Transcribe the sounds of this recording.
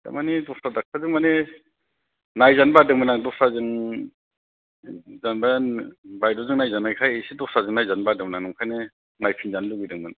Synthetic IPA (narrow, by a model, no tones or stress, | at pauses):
da̰manidɔsadak̚ʰadɯŋmane | najzanbadɯŋmɯnaŋdɔsazɯŋ | zanbajanbajdɔzɯŋnajzanajkʰajsidɔsazɯŋnajzanbadɯŋmnaŋnɯŋkʰajne | najpʰinzanluɡidɯŋmɯn